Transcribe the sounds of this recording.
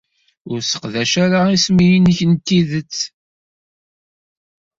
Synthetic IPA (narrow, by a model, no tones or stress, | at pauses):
ʊɾsə̥qðæʃaɾaismijinçənt̪ːiðət͡sː